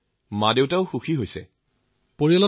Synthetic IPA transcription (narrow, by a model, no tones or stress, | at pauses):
madewtaʊxuxʰiɦojsɛ̰ | poɹiɔlɔ